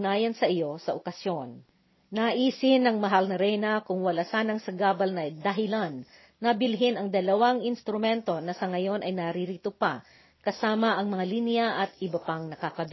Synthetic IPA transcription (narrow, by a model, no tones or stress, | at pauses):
naːjɐnsɐʔɪjo̞sɐʔokɐsjo̞nː | ɐʔiːsɪnɐŋmɐɦalnɐɾɛjnɐkʊŋwɐlasaːnɐŋsɐɡaːbɐlnɐd̪ɐɦɪlanː | ɐbɪlɦɪnɐŋd̪ɐlɐwaŋɪnst̪ɾʊmɛnt̪o̞nɐsɐŋɐjo̞nʔɐjnɐɾiɾit̪opa | kɐsaːmɐʔɐŋmɐŋalinjɐʔɐt̪ʔɪbɐpaŋnɐkakɐb